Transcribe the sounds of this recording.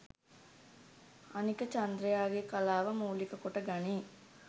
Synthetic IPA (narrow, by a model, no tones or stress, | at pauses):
ɐnikət͡ʃɐnd̪ɾejaːɡekɐlaːʋɐmuːlikɐkoʈɐɡɐniː